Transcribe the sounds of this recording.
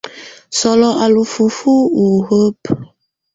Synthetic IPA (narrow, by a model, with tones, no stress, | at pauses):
sɔ˦lɔ˦ʔa˨lu˨fu˨fu˦wu˨ɣə˦p